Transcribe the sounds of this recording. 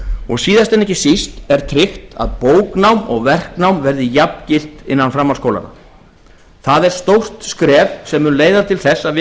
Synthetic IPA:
ɔɣsiːðast̪ɛnɛhcɪsist̪ɛɾ̥t̪ʰɾɪxt̪a̰ðpoːwknawmɔɣvɛr̥knawmvɛɾðɪjapncɪl̥t̪ɪnːanfɾamalskowla̰na̰ | θaðɛɾ̥st̪owr̥t̪skɾɛːvsɛmːʏnleːjðat̪ʰɪlθɛsːavɪ

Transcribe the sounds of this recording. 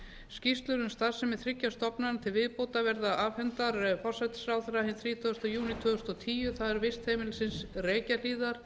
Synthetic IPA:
scist̪lʏɾʏmst̪aðsɛmɛðθɾɪcːast̪ɔpnant̪ʰɪlvɪðpoːwt̪avɛɾðaaːvhɛnt̪aɾfɔr̥sɛt̪sɾaːwθɾahɪnθɾiːt̪ʰœɣʏst̪ajuːnit̪ʰœːɣʏst̪ɔt̪ʰiːjʏθaðɛɾvɪst̪heːmɪlsɪnsreːcaliːðaɾ̥

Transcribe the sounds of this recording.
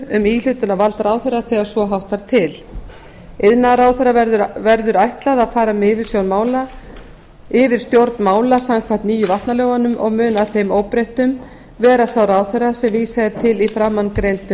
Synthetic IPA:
ʏmiːl̥ʏt̪ʏnavalt̪aɾaːwθerːaθɛːɣaɾ̥svɔɦawht̪aɾt̪ʰɪl | ɪðnaɾaːwθɛɾavɛɾðʏɾajht̪laðaðfaːɾamɪvɪɾ̥sjownmaːwla | ɪvɪɾ̥st̪jowɾt̪nmaːwlasamkʰvam̥t̪niːjʏvaht̪naljowɣanʏmʔɔɣmʏːnaθejmoːwpɾejht̪ʏm | vɛːɾasawɾaːwθerasɛmviːsaðɪɾt̪ʰɪlifɾaːmːankɾejnt̪ʏ

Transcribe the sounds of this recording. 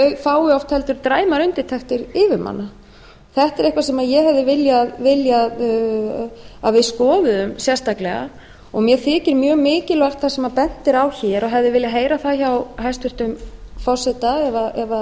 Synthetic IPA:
œɥfaːwɪɔft̪hɛlt̪ʏɾt̪ɾaːjmaɾʏnt̪ɪ̥t̪ʰɛxt̪ɪɾɪvʏɾma̰nːa | θɛht̪ɛɾɛhkvasɛmaðjɛhɛvðɪvɪljaðvɪljað | aðvɪðskɔːðʏðʏmsjɛst̪aklɛɣa̰ | ɔɣmjɛθɪːcɪɾmjœːɣmɪːcɪlvar̥t̪θasɛmapɛn̥t̪ɪɾawçɛːɾɔɦɛvðɪvɪljaɦeːjɾaθaðçawɦajst̪ʏɾ̥t̪ʏmfɔrsɛt̪aɛvaʔɛva

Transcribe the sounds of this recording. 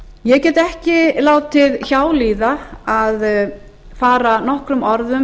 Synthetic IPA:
jɛɣcɛːt̪ɛhcɪlaːwt̪ʰɪðçaːwliːðaað | faːɾanɔhkɾʏmɔɾðʏm

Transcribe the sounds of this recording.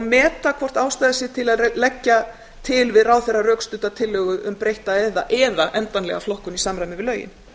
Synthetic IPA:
mɛːt̪akʰvɔr̥t̪aːwst̪ajðasjɪt̪ʰɪlaðlɛcːa | t̪ʰɪlvɪðraːwθɛrːarœkst̪ʏt̪at̪ʰɪlːœːɣʏðʏmpɾejht̪aɛðaʔɛːðaʔɛnt̪anlɛ̰ɣaflɔhkʏnisamɾajmɪvɪðlœːɥjɪ̰n

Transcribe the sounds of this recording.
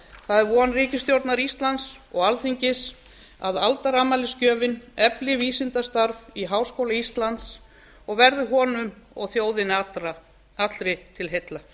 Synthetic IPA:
θaðɛɾvuːanriːcɪst̪jowɾt̪naɾist̪lant̪s | ɔɣalθiɲcɪs | a̰ðalt̪aɾaːmaːlɪscœːvɪnɛplɪviːsɪnt̪ast̪aɾviɦawskowlaist̪lant̪s | ɔɣvɛɾðʏɦɔːnʏmɔ̰ɣθjoːwðɪnaɾa | at̪lɾɪt̪ʰɪlɦejt̪la

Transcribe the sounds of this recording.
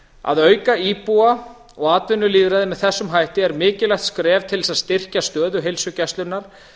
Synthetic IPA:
a̰ðœːɥkaiːpua | ɔɣaːt̪vɪnːʏliːðɾaðɪmɛðθɛsːʏmɦajht̪ɪɛɾmɪːcɪlɛxt̪skɾɛːvt̪ʰɪlsaðst̪ɪr̥cast̪œːðʏɦejlsʏcɛst̪lʏnaɾ̥

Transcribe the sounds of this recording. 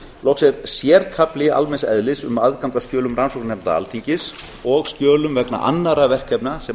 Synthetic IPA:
lɔksɛɾsjɛːɾkʰaplɪa̰lmɛnsɛ̰ðlɪsʏmaðkawŋk̪ascjœːlʏmɾransɔknnɛmt̪aa̰lθiɲcɪs | ɔɣsc̪jœːlʏmvɛkna̰ʔa̰nːaɾavɛr̥kʰːɛpnasɛ

